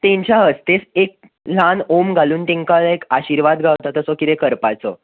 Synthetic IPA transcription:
t̪ẽɲt͡ɕaɦəst̪esek̚ | lanomɡʱaluːnt̪ẽŋkalekaɕiɾʋad̪ɡʱawt̪at̪əsɔkit̪ekəɾpat͡sɔ̰

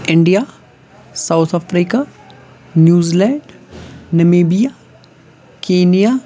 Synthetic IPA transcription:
ɪɳɖijaː | sawt̪ʰapɾiːka | njuːzilɛ̃ːɳɖnɐmeːbija | keːnija

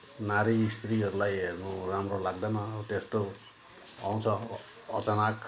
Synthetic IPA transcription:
naɾist̪ɾiɦʌɾulajmuramrolaɡd̪amat̪est̪o | a̰w̃t͡sʰʌ̰ː | t͡sanak

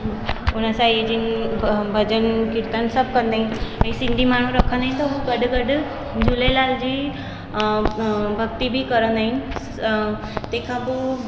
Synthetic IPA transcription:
ɦ | uñəsajed͡ʒinbʱəd͡ʒənkiɾt̪ansəb̚kənd̪aɦinə̃ĩsind̪ʱimaɽ̃ũɾəkʰənd̪aɦĩnt̪ɔɦuɡəɖɡəɖ | d͡ʒulelald͡ʑi | bʱək̚t̪ibʱikəɾənd̪aɦin | t̪ekʰabu

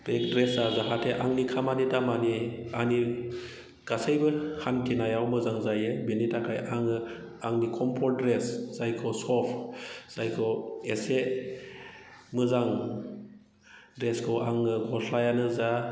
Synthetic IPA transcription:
b̥ek̚dɾesazaɦatʰeʔaŋnikʰamanitamaniani | ɡ̥asejbɯhantʰinajawmɯzaŋzajɯbinitakʰajaŋɯ | aŋnikʰɔmpʰɔdɾesz̥ajkʰɔsɔpʰz̥ajkʰɔese | mɯzaŋ | dɾeskʰɔwʔaŋɯɡɔslajanɯza

